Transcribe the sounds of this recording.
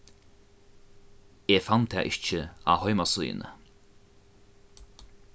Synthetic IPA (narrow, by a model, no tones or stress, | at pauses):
eːfant̪ʰːɛ̰ːʔɪt͡ʃəa̰ːhɔʏmasujɪ̰nə̰